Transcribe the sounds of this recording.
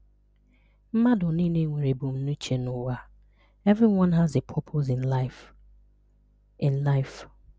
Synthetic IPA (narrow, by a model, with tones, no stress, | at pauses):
m̩˦ma˦dʊ˨ni˦ne˦ŋʷe˨ɾe˨bu˨m̩˦nu˦t͡ʃe˨nʊ˦wa˦ | ɛ˦vɾi˦wɔ̃˦nɦa˨ze˨pʰɔ˦pʰo˦zɪ˨nla | ɪ˨nla˦ɪf